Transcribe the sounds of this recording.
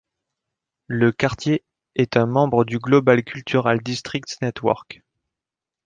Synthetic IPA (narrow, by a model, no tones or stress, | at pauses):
ləkaʁt̪je | ɛt̪ɛ̃mɑ̃bʁəd̪yɡlɔbalkʲylt̪ʰyʁald̪ist̪χik̚t̪nɛt̪wɔ̰ʁk